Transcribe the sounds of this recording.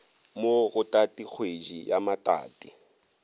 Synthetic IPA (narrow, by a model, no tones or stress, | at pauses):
moɣʊtʼatʼik͡xʰwed͡ʒijamatʼa̰ːtʼi